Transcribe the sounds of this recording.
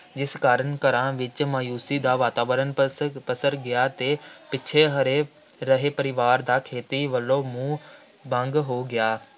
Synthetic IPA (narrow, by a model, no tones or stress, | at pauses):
d͡ʒɪskaːɾənkəɾãːʋɪt͡ʃmaːjuːsiːd̪aːʋaːt̪aːʋəɾənpəsəɾɡɪjaːt̪eːpɪːt͡ʃʰeɦəɾeː | ɾəɦeːpəɾɪʋaːɾd̪aːkʰeːt̪iʋəlːõːmũː | bə̃ŋɡɦoːɡɪjaː